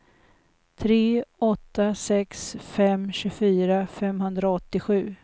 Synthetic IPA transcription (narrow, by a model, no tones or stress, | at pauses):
t̪ʰɾeːɔt̪ːasɛksfɛmɕɵfyːɾafɛmɦɵnd̪ɾaɔt̪ːɪɧʉ̟ː